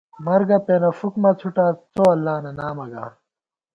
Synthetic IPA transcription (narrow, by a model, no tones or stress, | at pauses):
mɐɾɡɐpeːnɐfukmɐt͡sʰuʈat͡soɐlːaːnɐnaːmɐɡa̰